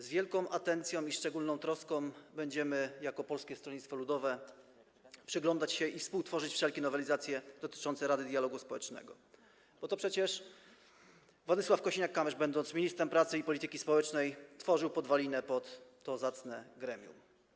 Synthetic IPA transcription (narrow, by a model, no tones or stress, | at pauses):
zvʲjɛlkɔ̃w̃ʔat̪ɛnt̪sʲjɔ̃w̃iʂt͡ʂɛɡulnɔ̃w̃t̪ɾɔskɔ̃w̃bɛɲd͡ʑɛmɘjakɔpɔlskʲɛst̪ɾɔɲʲit̪fɔlud̪ɔvɛ | pʂɘɡlɔnd̪at͡ɕɕɛʔifspuwt̪fɔʐɘt͡ɕfʂɛlkʲɛnɔvɛlʲizat̪sʲjɛd̪ɔt̪ɘ̥t͡ʂɔnt̪sɛɾad̪ɘd̪ʲjalɔɡuspɔwɛt͡ʂnɛ̰ɡɔ | b̥ɔt̪ɔpʂɛt͡ɕɛʂ | vwɔd̪ɘswafkɔɕiɲakːamɛʐbɛnd̪ɔnt̪smʲiɲist̪ɾɛmpɾat̪sɘipɔlʲit̪ɘkʲispɔwɛt͡ʂnɛjt̪fɔʐɘwpɔd̪valʲinɛpɔt̪ː | ɔzat̪snɛɡɾɛmʲjṵm